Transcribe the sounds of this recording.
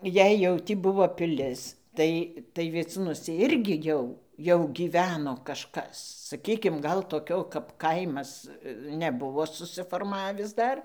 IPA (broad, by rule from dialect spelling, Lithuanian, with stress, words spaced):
jɛɪ jɛʊ ˈtʲiː ˈbʊʋoː pʲɪˈlʲɪs ˈtɐɪ tɐɪ ʋʲiɛˈt͡suːnuɔsʲɛ ˈɪrʲɡʲɪ ˈjɛʊ jɛʊ ɡʲiːˈʋʲæːnoː kɐʃˈkɐs sɐˈkʲiːkʲɪm ˈɡɐlˠ toːˈkʲoː kɐp ˈkɐɪmɐs nʲɛˈbʊʋoː sʊsʲɪfoːrˈmɑːʋʲɪs ˈdɐr